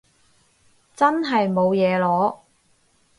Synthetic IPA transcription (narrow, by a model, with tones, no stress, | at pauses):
t͡sɐ˥nɦɐ˨jmo˨˧wjɛː˨˧lɔː˨˥